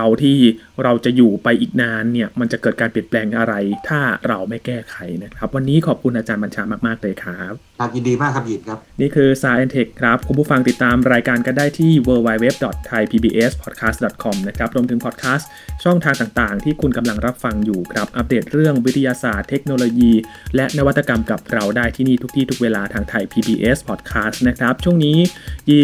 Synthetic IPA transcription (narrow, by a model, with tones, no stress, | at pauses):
a˧wt̪ʰiː˥˩ | ɾa˧wt͡ɕa˨˩juː˨˩pa˧jʔiː˨˩k̚naː˦˥nːi˥˩ɐma˧nt͡ɕa˨˩kɤː˨˩t̪̚kaː˧npi˨˩ən̚plɛː˧ŋʔa˧ɾa˧jt̪ʰaː˥˩ɾa˧wma˥˩jjkɛː˥˩kʰa˨˧˩jna˦˥kʰɾa˦˥p̚wa˧nːiː˦˥kʰɔː˨˩p̚kʰu˧nʔaː˧t͡ɕaː˧nba˧nt͡ɕʰaː˧maː˥˩k̚maː˥˩k̚lɤː˧jkʰɾa˦˥p̚ʰ | a˨˧˩ji˨ndiː˧maː˥˩kʰːa˦˥pji˨˩nkʰa˦˥p̚niː˥˩kʰɯː˧saː˧ʔɛː˧nt̪ʰe˨˩kʰːɾa˦˥p̚kʰu˧npʰuː˥˩fa˧ŋt̪i˨˩t̪ːaː˧mɾaː˧jkaː˧nka˧ndaː˥˩jt̪ʰiː˥˩wɤː˧wa˧jwe˦˥p̚dɔ˨˩t̪ʰːa˧jpʰiː˧biː˧ʔeː˦˥spʰɔ˨˩t̪̚kʰaː˦˥st̪̚dɔ˨˩t̪̚kʰɔ˧mna˦˥kʰɾa˦˥p̚ɾu˧əmt̪ɯ˩˦ŋpʰɔː˨˩t̪̚kʰaː˦˥st̪ | t͡ɕʰɔ˥˩ŋt̪ʰaː˧ŋt̪aː˨˩ŋt̪aː˨˩ŋt̪ʰiː˥˩kʰu˧nka˧mla˧ŋɾa˦˥p̚fa˧ŋjuː˨˩kʰɾa˦˩p̚ʔa˧˥p̚deː˨˩t̪̚ɾɯ˥˩əŋwi˦˥t̪ʰːi˧jaː˧saː˨˩t̪ʰːe˦˥k̚noː˧loː˧jiː˧ | lɛ˦˥naː˦˥wa˦t̪ːa˧ka˧mka˨˩p̚ɾa˧wdaː˥˩jt̪ʰiː˥˩niː˥˩t̪ʰu˦˥k̪̚ʰiː˥˩t̪ʰu˦˥k̚weː˧laː˧t̪ʰaː˧ŋt̪ʰa˧jpʰiː˧biː˧ʔeː˦˥spʰɔː˨˩t̪̚kʰaː˦˥st̪̚na˦˥kʰɾa˦˥p̚t͡ɕʰu˥˩əŋniː˦˥ji˧˩